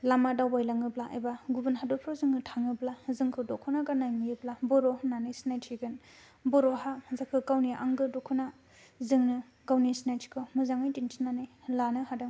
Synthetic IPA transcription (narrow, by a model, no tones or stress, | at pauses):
lamadawbajlaŋɯblaʔa̰jbaɡubɯnɦadɔpʰɾɔzɯŋnɯtʰaŋɯblazɯŋkʰɯdɔkʰɯnaɡanajnijɯblabɔɾɔhnanɯjsnajtʰiɡɯn | bɔɾɔɦazakʰɯkawniʔa̰ŋɡɯdɔkʰɯna | zɯŋnɯ | ɡawnisnajtʰi̥kʰɯmɯzaŋajtintʰinanɯj | lanɯɦadɯŋ